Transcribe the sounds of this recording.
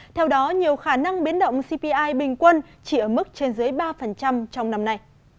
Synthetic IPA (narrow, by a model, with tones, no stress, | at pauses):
t̪ʰɛ˧wɗɔ˨˦ɲi˨˩əwxaː˧˩na˧ŋɓi˨˦ənɗə̰˧˨wŋ͡msi˧pi˧ʔaː˧jɓï˨˩ŋ̟kwə˧n | t͡ɕi˧˩ʔəː˧˩mɨ˦˥k̚t͡ɕe˧nzɨː˨˦jɓaː˧fə˨˩nt͡ɕa˧mt͡ɕɔ˧wŋ͡mna˧mna˧j